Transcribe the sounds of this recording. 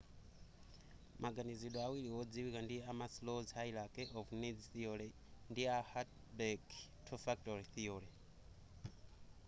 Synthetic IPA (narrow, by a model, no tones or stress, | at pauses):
mʔaɡaniziɗɔawiɺiɦɔd͡ziwikandijɛamaslɔzɦailakɛʔɔvunid͡ziθiɔlɛ | ndiahat | bɛktʰɔfak̚tɔɾiθiɔːɺɛ